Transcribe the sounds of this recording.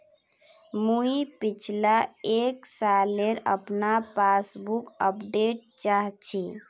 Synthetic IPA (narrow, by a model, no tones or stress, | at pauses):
muipit͡ʃʰlaeksaleɾə̰pnapasbukəpɖeʈ̚t͡ʃaɦt͡ʃʰi